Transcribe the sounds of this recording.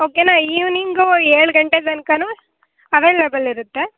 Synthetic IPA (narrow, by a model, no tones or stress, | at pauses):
oːkenaːiːʋniŋɡoeːɭɡɐɳʈed̪ɐnkɐnu | ɐʋelebɐliɾut̪ːe